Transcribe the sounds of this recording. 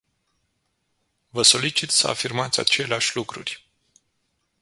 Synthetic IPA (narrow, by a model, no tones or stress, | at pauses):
vəso̞lit͡ʃit̪səa̰firmat̪sʲa̰t͡ʃe̞leaʃʲlukɾṵrʲ